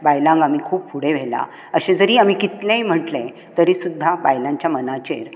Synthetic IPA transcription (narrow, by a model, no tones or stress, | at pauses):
bajlãŋɡam̤ikʰuːp̚puɽeʋ̤ʱela̰ | əɕed͡zəɾiːamikit̪lẽjm̤əʈlẽ | t̪əɾisud̪ʱːabajlãɲt͡ɕjamənat͡ɕḛɾ